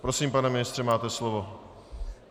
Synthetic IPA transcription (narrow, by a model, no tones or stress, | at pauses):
pɾosiːmpanɛmɪnɪst̪r̥ɛmaːt̪ɛslovo